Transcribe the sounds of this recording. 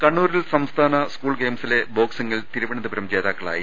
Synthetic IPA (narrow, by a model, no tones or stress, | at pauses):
kɐɳːuːɾilsɐmst̪ʰaːnɐskuːɭɡeːmsile̞bo̞ːksɐŋːilt̪iɾuʋɐɳɐðɐbɐɾɐmt͡ɕe̞ːðaːkːɐɭa̰ːji